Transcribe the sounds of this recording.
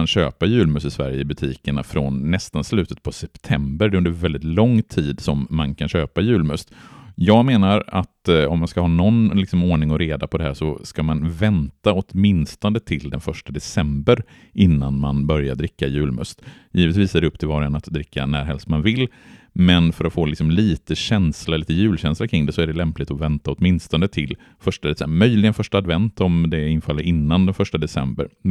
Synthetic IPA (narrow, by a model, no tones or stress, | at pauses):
nɕø̰ːpajʉ̟ːlmʉsɪsvæ̰ɾjəbɵt̪ʰiːkəɳafɾonːɛst̪anslʉ̟ːt̪ə̥t̪̚pʰɔsɛpt̪ʰɛmbəɾɖɛɵnd̪əɾvɛlɪt̪lɔŋːt̪ʰiːd̪sɔmːankʰanɕøːpajʉ̟ːlmœst̪jɑːɡmeːnaɾa̰t̪ɔmːanskahɑːnɔnlɪksɔmoːɳɪŋɔɾeːd̪apʰɔd̪ɛɦæːʂɔskamanvɛnt̪aɔt̪mɪnst̪ɔnd̪ət̪ʰɪld̪ɛnfœʂʈad̪ɛsɛmbəɾ | ʔɪnːanmanbœɾjaɖɾɪkːajʉ̟ːlmœ̰st̪ | jiːvət̪viːsɛɖɛɵpːt̪ʰɪlvɑːɾəɛnat̪d̪ɾɪkːa̰næ̰ːɾɦɛlst̪manvɪlː | mɛnfœɾat̪foːlɪksɔmliːt̪əɕɛnslaɾliːt̪əjʉ̟ːlɕɛnslakʰɾɪŋd̪ɛsɔæɖɛlɛmplɪt̪ɔvɛnt̪aɔt̪mɪnst̪ɔnd̪ət̪ʰɪl | fœʂʈad̪ɛsɛmœjlɪɡənfœʂʈaad̪vɛnt̪ɔmd̪ɛɪnfalːəɾɪnːand̪ɛnfœʂʈad̪ɛsɛ̰mbə̰ɾ